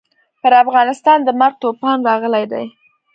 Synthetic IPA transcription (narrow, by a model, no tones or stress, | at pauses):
pəɾafɣɑnɪst̪ɑnd̪əmaɾɡ̚t̪opɑnɾɑɣəlajd̪a̰j